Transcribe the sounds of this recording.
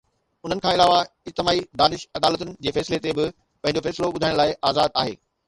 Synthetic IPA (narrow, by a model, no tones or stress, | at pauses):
ʊn̤ənɪkʰãːɪlaːʋa | ɪd͡ʑt̪ɪmaːid̪aːnɪʃɐd̪aːlət̪ʊnɪ̆d͡ʑeːfɛːsɪlet̪ebɪ | pɐ̃ɦɪ̃ɲ̆d͡ʑofɛːsɪloɓʊd̪ʱaːɪ̃ɽ̃laːɪʔaːzaːd̪aːɦḛː